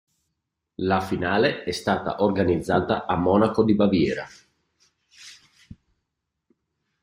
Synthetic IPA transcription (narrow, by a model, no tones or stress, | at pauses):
lafinaːleɛst̪aːt̪a̰ʔorɡanid̪zːaːt̪aʔamːɔːnakod̪ibavjɛːɾa̰